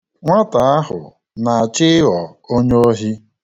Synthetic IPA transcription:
ŋʷa˦ta˨a˦ɦʊ̰˨ | na˨a˨t͡ʃɪ˦ɔ˨o˦ɲo˦ɦi˦

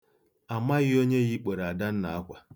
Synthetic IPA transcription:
a˨ma˦ɣɪ˦o˦ɲe˦ɣɪ˦k͡pe˨ɾa˨da˦n̩˦na˨a˦kʷa˨

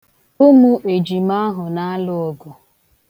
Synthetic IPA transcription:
ʊ˦mu˦ʔe˨d͡ʒi˨ma˦ɦʊ˨na˦a˦lʊ˦ɔ˨ɡʊ˨

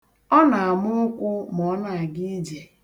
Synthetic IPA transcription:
ɔ˦na˨a˨mʊ˦o˦kʷu˦m˨ɔ˨˦na˨a˨ɡi˦d͡ʒe˨

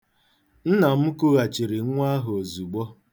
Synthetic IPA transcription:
n̩˦na˨m̩˦kʊ˦ɣa˨t͡ʃi˨ɾi˨˦ŋʷ˦a˦ɦo˨zu˨ɡ͡bɔ˦

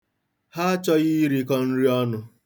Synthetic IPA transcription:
ha˦t͡ʃɔ˦ɣi˦ɾi˦kɔ˦n̩˦ɾi˦ɔ˦nʊ˦

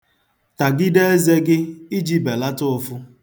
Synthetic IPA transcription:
ta˨ɡɪ˦de˦e˦ze˦ɡɪ˦i˦d͡ʒi˦be˨la˦tʊ˦ʊ˦˨fʊ˦

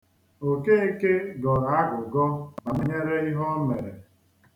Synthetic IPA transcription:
o˨ke˦e˦ke˦ɡɔ˨ɾa˦ɡʊ˨ɡɔ˦na˨mɪ˦ɲe˦ɾe˦i˦ɦɔ˦me˨ɾe˨

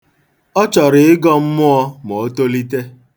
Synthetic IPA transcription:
ɔ˦t͡ʃɔ˨ɾɪ˨ɪ˦ɡɔ˦m̩˦mʊ˦ɔ˦mo˨o˦to˦li˦te˦

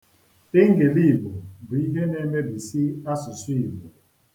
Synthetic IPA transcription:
te˦ŋ˦ɡe˨li˦˨bɔ˨bi˨˦ɦɛ˦nɛ˦mɛ˦bi˨si˦a˦su˨swi˦˨vɔ˨

